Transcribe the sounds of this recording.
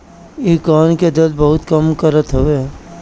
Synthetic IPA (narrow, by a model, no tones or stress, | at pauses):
ikaːnked̪əlbɐɦʊt̪kəmkəɾət̪ɦoe